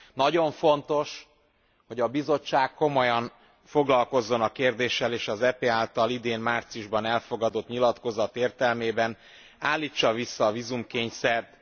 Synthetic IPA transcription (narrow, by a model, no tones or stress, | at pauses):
nɒɟo̞ɱfo̞nt̪o̞ʃ | ho̞ɟɒbizo̞t͡ʃːaːkːo̞mo̞jɒn | fo̞ɡlɒlko̞zːo̞nɒkeːrd̪eːʃːɛleːʃɒzɛpeːaːlt̪ɒlid̪eːnmaːrt̪sijuʒbɒnɛlfo̞ɡɒd̪o̞t̪ɲilɒt̪ko̞zɒt̪eːrt̪ɛlmeːbɛn | aːlːiːt͡ʃːɒvisːɒːvizumkeːɲsɛrt̪